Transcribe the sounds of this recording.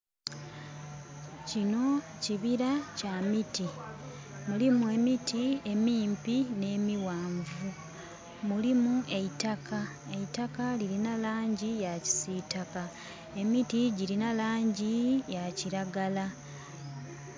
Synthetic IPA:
cino̞ | ciβiɾacamiti | mulimue̞mitʰie̞miːmpine̞ːmiwaːɱvu | mulimuʔe̞itakʰa | e̞itakaliɾinalaːɲɟijaci̥sitaka | e̞mitiɟiɾinalaːɲɟijaciɾaɡala

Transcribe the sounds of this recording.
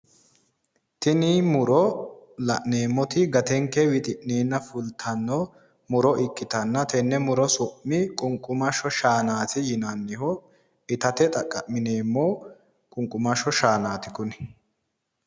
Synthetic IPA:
t̪ɪnɪmʊɾɔlɐʔneːmːɔt̪ɪɡɐt̪ɛŋkːɛwɪt̪ʼɪʔneːnːɐfʊlt̪ʰɐnːɔ | mʊɾɔʔɪkːɪt̪ɐnːɐt̪ʰɛnːɛmʊɾɔsɔʔmɪkʼʊŋkʼːʊmɐʃɔʃaːnaːt̪ɪjɪnɐnːɪhɔ | ɪt̪ɐt̪ɛt̪ʼɐkʼːɐʔmɪneːmːo | kʼʊŋkʼʊmɐʃɔʃaːnaːt̪ɪ̥kʊn

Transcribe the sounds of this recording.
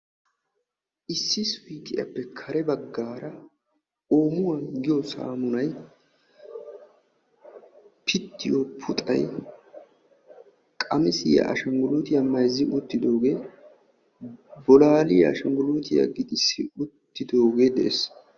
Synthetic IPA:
ʔɪsːɪswiːt̪ʼɪjɐ̰pːɛkʰɐɾɛbɐɡːaːɾɐ | oːmʊwɐnɡɪjɔsa̰ːmʊnɐj | pʰɪt̪ːɪjopʰʊt̪ʼɐ̰j | kʼɐmɪsɪjɐ̰ʔɐ̰ʃɐŋɡʊluːt̪ɪjɐmɐjzɪʔʊt̪ːɪd̪o̞ːɡe̞ː | bɔlaːlɪjɐ̰ʃɐŋɡʊluːt̪ʰɪjɐ̰ɡɪd̪ʼɪsːɪʊt̪ːɪd̪o̞ːɡeːd̪ɛʔes

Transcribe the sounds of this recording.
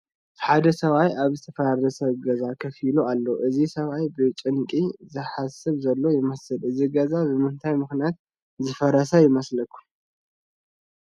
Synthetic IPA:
ħad̪ɐsɐβajaβzɨt̪ʰɐfɐɾaɾd̪ɐsɐβɡɐzakʰɐfilualːoʔɨzisɐβajbɨt͡ʃʼɨnkʼizɨħasɨβzɐlːo̞jɪmɐsɨlɨziɡɐzabɨmɨnt̪ʰajmɨxnijat̪̚ | zɨfɐɾɐsajɪmɐslɐkʰːu̥

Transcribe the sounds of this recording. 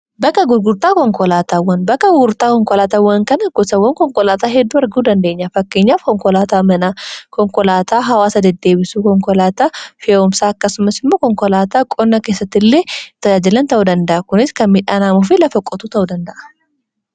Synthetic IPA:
bɐkːɐɡʊɾɡʊɾt̪aːkɔŋkɔlaːt̪aːwːɐnbɐkːɐɡʊɾt̪aːkɔŋkɔlaːt̪aːwːɐŋkɐnɐɡ̥ɔsɐwːɐŋkɔŋkɔlaːt̪aːɦɛd̪ːuːɐɾɡuːd̪ɐnd̪e̞ːɲːɐfɐkːeːɲːaːfkɔŋkɔlaːt̪aːmɐnaːkɔŋkɔlaːt̪aːɦɐwaːsɐd̪ɛd̪ːe̞ːbɪsuːkɔŋkɔlaːt̪aːfeʊmsaːɐkːɐsʊmɐsɪmːoːkɔŋkɔlaːt̪aːkʼɔnːɐkeːsːɐt̪ːɪlːeːt̪ɐd͡ʒaːd͡ʒɪlɐnt̪ɐʔuːd̪ɐnd̪ɐʔɐkʊnɪskɐnmɪᶑaːnaːmʊf̬ɪlɐfɐkʼɔt̪uːt̪ɐʔuːd̪ɐnd̪ɐʔɐ̥

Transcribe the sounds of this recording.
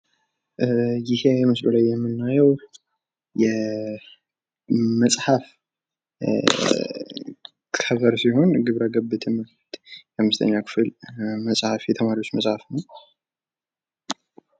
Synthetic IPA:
jɪheɛmɨslulajːɛmːɨnːajɛw | jɛ | məsʼħaf | kʰəβəɾsiho̞nɡɨβɾaɡəbːɨt̪ʰɛmə | t̪jɛhamːɨst̪ʰə̰ɲːakʰɨ̥fɨlməsʼhafjɛt̪ʰəmaɾio̞t͡ʃːmɐsʼhafnəw

